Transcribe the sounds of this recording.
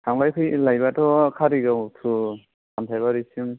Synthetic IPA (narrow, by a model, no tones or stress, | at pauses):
saŋbajkʰɯjlajbatʰɔkʰaɾiɡawtʰu | kamtʰajβaɾisuŋ